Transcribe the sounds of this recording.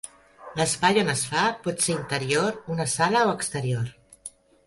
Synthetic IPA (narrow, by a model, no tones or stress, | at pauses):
ləspajonəsfapɔt̪seɾint̪əɾioɾunəsaləoəkst̪əɾioɾ